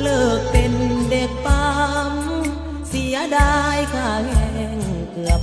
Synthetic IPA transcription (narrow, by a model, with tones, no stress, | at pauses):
lɤː˧˩k̚pe˧nde˨˩k̚pa˧m | si˨˩˦ɐdaː˧jkʰaː˧˩kɛ˧ | ŋkɯ˨˩əp̚